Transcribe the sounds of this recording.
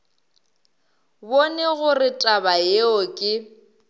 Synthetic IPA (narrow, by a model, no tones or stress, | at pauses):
bonɛɣʊrɪtʼabajeɔkʼɪ